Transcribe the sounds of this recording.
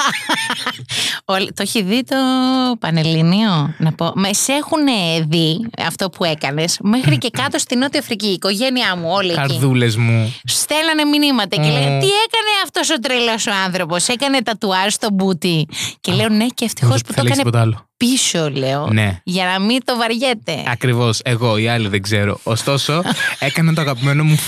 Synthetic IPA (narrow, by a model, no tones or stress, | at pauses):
olit̪oçiðit̪o̞pɐnelinio̞nɐpo̞mese̞xuneðiɐ̰ft̪o̞pue̞kɐne̞sme̞xɾice̞kɐt̪o̞st̪ino̞t̪iɐfɾiciːko̞ʝe̞niɐmuo̞lieɐɾiulezmust̪e̞lɐneminimɐt̪eceleot̪ie̞kɐne̞ɐft̪o̞sot̪ɾelosoɐnθɾo̞po̞se̞kɐne̞t̪ɐt̪uɐɾst̪o̞but̪ice̞leone̞ceːft̪i̥xo̞sput̪oiɐiɐnepot̪ɐlopisole̞onḛʝɐnɐmit̪o̞vɐɾʝe̞t̪e̞̰ɐkɾivo̞seɣo̞iɐliðeɡzeɾo̞̰ʔːst̪o̞so̞e̞kɐnɐnt̪oɐɣɐpimeno̞mu